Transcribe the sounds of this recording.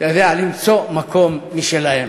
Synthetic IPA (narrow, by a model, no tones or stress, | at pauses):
jod̪ealimt͡somako̞mːiʃelahem